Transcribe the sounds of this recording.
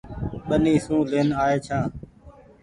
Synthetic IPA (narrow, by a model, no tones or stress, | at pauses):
ɓəniːsũːleːnaːeːt͡ʃʰãː